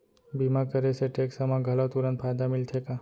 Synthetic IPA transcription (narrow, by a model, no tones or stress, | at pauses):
bimakəɾesʰeʈeksamãɡʱəlaʋt̪uɾənfajd̪amilt̪ʰeka